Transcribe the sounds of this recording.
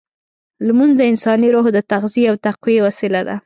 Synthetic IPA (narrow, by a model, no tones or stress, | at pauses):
lmunzd̪əɪnsɑniɾoɦd̪ət̪aɣziawt̪aqwiewasɪlad̪a̰